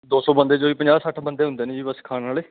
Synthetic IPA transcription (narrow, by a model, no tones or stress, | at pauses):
d̪oːsɔːbə̃nd̪eːd͡ʒoːiːpəɲd͡ʒaːsəʈʰbənd̪eːɦʊ̃nd̪eːnĩːd͡ʒiːbəskʰaːnaːleː